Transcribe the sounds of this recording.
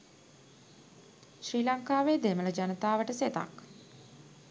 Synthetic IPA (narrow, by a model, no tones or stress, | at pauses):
ʃriːlaŋkaːʋeːd̪emələd͡ʒanət̪aːʋəʈəset̪a̰k